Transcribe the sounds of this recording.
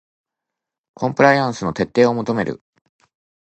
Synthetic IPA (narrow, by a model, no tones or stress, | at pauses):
kʰõ̞mpɯ̟ɾaijãɰ̃sɨno̞t̪e̞t̪ːe̞ːo̞mo̞t̪o̞me̞ɾɯ̟̰